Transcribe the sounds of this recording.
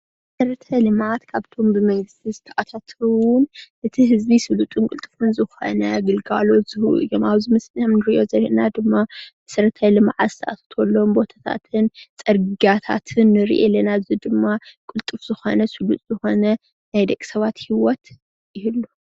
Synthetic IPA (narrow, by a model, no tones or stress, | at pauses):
m | ɐsɐɾɐt̪ʰajlɨmʕat̪kʰaβt̪ʰo̞mbɨmɐŋɡɨst̪ʰizɨt̪ʰɐʔat̪ʰat̪ʰɾuwʊnʔɨt̪ʰiɦɨzbisɨlut̪ʼunkʼɨlt̪ʼɨfɨnzɨxo̞̰nɐɡɨlɡalo̞t̪z̥ɨhɨʔṵjomaβzɨmɐsnmnɨɾiʔozɐɾiʔnad̪ɨmːamɐsɐɾɐt̪ʰajlɨmʕat̪zɨt̪ʰɐʔa̰t̪ʰɐ̥t̪ʰolːo̞mbo̞t̪ʰḁt̪ʰa̰t̪ʰɨnt͡sʼɐɾɡiɡat̪ʰa̰t̪ʰɨnːɨɾ̰ʔelːɐnazɨd̪ɨmːakʼʊlt̪ʼɨfz̥ɨxo̞nɐsɨlut̪ʼz̥ɨxo̞nɐ | najd̪ɐkʼi̥sɐβat̪hiwɔt̪ | ɪhlːu